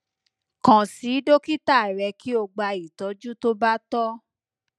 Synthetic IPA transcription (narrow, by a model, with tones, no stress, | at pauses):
kã˨si˨˦do˦ki˦ta˦˨ɾɛ˨˧ki˦o˧ɡ͡ba˧i˨tɔ˨˦d͡ʒu˦to˦ba˦tɔ˦